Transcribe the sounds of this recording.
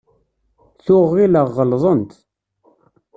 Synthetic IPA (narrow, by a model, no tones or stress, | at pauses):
θʊʁiləʁːəlzˤənt̪